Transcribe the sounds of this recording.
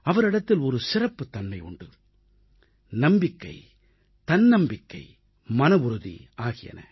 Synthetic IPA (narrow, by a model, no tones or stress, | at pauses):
ɐʋɐɾɪɽɐt̪ːɪlɔɾɯsɪrɐpːɯt̪ːɐnmɐɪʊ̰ɳɖɯ | nɐmbɪkːɐɪ | t̪ɐnnɐmbɪkːɐɪ | mɐnɐʋʊɾɯðḭʔaːɣɪjɐ̰nɐ̰